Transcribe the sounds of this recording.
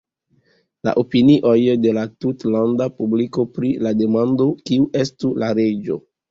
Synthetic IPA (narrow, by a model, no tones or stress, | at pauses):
la̰ʔopiniʔo̞jde̞latutlandapubliko̞pɾilade̞mando̞kiuʔe̞stulaɾe̞d͡ʒo̞̰